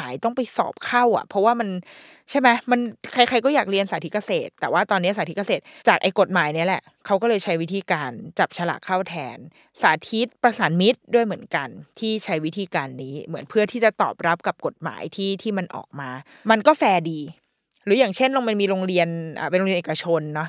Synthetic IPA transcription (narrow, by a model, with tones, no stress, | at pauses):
aː˩˦jt̪ɔ˥˩ŋpa˧jsɔ̰ː˨˩p̚kʰa˥˩wʔa̰˨˩pʰɔ˦˥waː˥˩ma˧n | t͡ɕʰa˥˩jma˦˥jma˧nkʰa˧jxʰa˧jkɔː˥˩jaː˨˩k̚ɾi˧ənsaː˨˦i˦˥ka˧seː˨˩t̪ːɛː˨˩waː˥˩t̪ɔː˧nːi˦˥saː˨˦i˦˥ka˧˩seː˨˩t̪̚t͡ɕaː˨˩k̚ʔa˧jko˨˩t̪̚maː˩˦jni˦˥ɐlɛ̰˨˩ʔ | kʰa˦˥wk̬ɔː˥˩lɤː˧jt͡ɕʰa˦˥jwi˦˥t̪ʰiː˧kaː˧nt͡ɕa˨˩p̚t͡ɕʰa˧la̰˨˩ʔkʰːaː˥˩wt̪ʰɛː˧n | sa̰ː˩˦t̪ʰi˦˥t̪̚pɾa˧saː˩˦nmi˦˥t̪̚du˥˩əjmɯ˩˦ənka˧nt̪ʰiː˥˩t͡ɕʰa˦˥jwi˦˥t̪ʰiː˧kaː˧nːiː˦˥mɯ˩˦ənpʰɯ˥˩ɐt̪ʰiː˥˩t͡ɕa˨˩t̪ɔ̰ː˨˩p̚ɾa˦˥p̚ka˨˩p̚ko˨˩t̪̚ma̰ː˩˦jt̪ʰiː˥˩t̪ʰiː˥˩ma˧nʔɔ̰ː˨˩k̚maː˧ | ma˧nkɔː˥˩fɛː˧diː˧ | ɾɯː˩˦jaː˨˩ŋt͡ɕʰe˥˩nlo˧ŋma˧nmiː˧ɾo˧ŋɾi˧ənʔa̰ː˨˩pnlo˧ŋi˧nʔeː˨˩ka˧t͡ɕʰo˧nːɔ˦˥